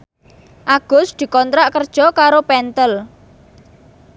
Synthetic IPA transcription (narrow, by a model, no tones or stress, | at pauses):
ʔaɡ̥ʊ̤sd̪̥i̤kɔnt̪ɾaʔkərd̥ʒ̥ɔ̤kaɾopɛnt̪əl